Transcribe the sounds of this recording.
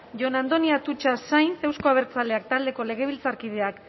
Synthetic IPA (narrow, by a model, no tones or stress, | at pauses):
ʝo̞nand̪o̞niat̪ut͡ʃasajnse̞wsko̞aβe̞ɾt͡sale̞akt̪ald̪e̞ko̞le̞ɣ̞e̞β̞ilt͡saɾkið̞e̞ak